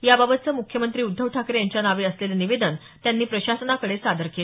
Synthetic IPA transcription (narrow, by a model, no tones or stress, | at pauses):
jababət̪̚t͡səːmukʰjəmənt̪ɾiːud̪ʱːəʋʈʰakɾejaɲt͡ɕjanaʋeəsleləniʋed̪ən | t̪janːiːpɾəɕasənakəɽesad̪əɾkel